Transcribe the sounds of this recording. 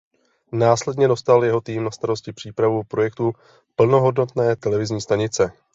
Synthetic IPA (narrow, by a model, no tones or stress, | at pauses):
naːslɛdɲɛdo̞st̪aljɛɦo̞t̪iːmnast̪aɾo̞scɪpr̥iːpɾavupɾo̞jɛkt̪u | pl̩no̞ɦo̞dno̞t̪nɛːt̪ɛlɛvɪzɲiːst̪aɲɪt͡sɛ